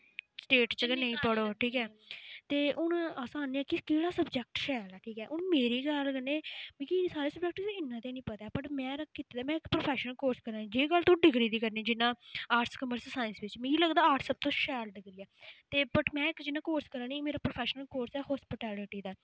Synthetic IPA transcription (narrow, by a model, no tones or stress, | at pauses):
sʈeːʈt͡ʃəɡnəĩːpəɽoːʈʰiːkɛːt̪eːʔʊnaːsaːniɛːkikeːɽaːsəbd͡ʒɛːk̚ʈʃɛːlɛːʈʰiːkɛːʔʊnmeːɾiːɡəlɡəneːbĩkisaːɾeːsəbd͡ʒɛːk̚ʈĩɪnːãːt̪eːnĩːpət̪aɛːpəʈmɛ̃ːɾəkkːit̪eːd̪aːmɛ̃ːɪkpɾoːpʰɛːʃənəlkoːɾskəɾaːnid͡ʒeːɡəlt̪õːɖɪkɾiːd̪iːkəɾniːd͡ʒɪnːãːaːʈskəməɾssaːɪnsʋɪt͡ʃmɛ̃ːiːləɡd̪aːaːʈsəb̚t̪õːʃɛːlɖɪkɾiːjaːt̪eːbəʈmɛ̃ːɪkd͡ʒɪnːãːkoːɾskəɾãːnĩːmeːɾaːpɾoːpʰɛːʃnəlkoːɾsɛːhɔːspɪʈɛːlɪʈiːd̪aː